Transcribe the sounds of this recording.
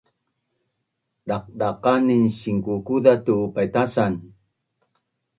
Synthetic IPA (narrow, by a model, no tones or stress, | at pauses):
ɗaq̚daqaninɕiŋkukuðatupajtasan